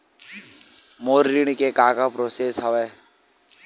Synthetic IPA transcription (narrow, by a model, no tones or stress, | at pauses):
moːɾːiɽ̃kekaːkapɾoːsesɦəʋeː